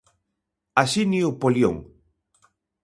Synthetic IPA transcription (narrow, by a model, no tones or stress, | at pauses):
asiniupoljo̰ŋ